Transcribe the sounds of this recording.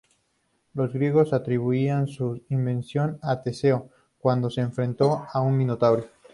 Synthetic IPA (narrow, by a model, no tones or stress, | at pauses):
lo̞zɣɾje̞ɣ̞o̞sat̪ɾiβ̞uiansuimbẽ̞nsjo̞nat̪e̞se̞o | kwand̪o̞seːɱfɾẽ̞nt̪o̞auŋbĩnot̪aβɾe